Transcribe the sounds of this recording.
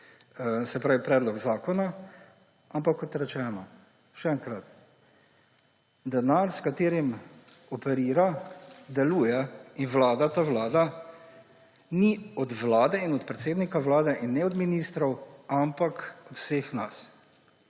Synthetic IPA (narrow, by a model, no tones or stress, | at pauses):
sɛpɾaːʋipɾɛːd̪lɔɡzaːkɔna | ampakːɔt̪ɾɛt͡ʃɛːnɔ | ʃɛɛŋkɾat̪ | d̪ɛnaɾskat̪eːɾimɔpɛɾiːɾad̪ɛluːjɛinʋlaːd̪at̪aːʋlaːd̪a | niɔd̪ʋlaːd̪ɛinɔt̪pɾɛt̪seːd̪nikaʋlaːd̪ɛʔinːɛɔd̪minist̪ɾɔwampakɔt̪w̥seːxnas